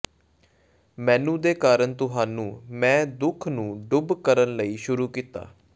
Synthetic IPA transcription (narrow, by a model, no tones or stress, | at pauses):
mɛ̃ːnũːd̪eːkaːɾənt̪ʊɦaːnũːmɛ̃ːd̪ʊkʰnũːɖʊbkəɾənləiːʃʊɾuːkiːt̪a̰ː